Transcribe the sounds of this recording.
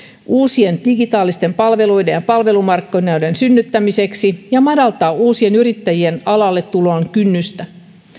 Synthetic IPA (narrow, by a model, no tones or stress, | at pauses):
uːsie̞nd̥iɡit̪ɑːlist̪e̞mpɑlʋe̞lujdejjɑpɑlʋe̞lumɑrkːonɑwde̞nsynːyt̪ːæmise̞ksijɑmɑdɑlt̪ɑːuːsie̞nyɾit̪ːæjie̞nɑlɑlːet̪ːuloːŋkynːyst̪æ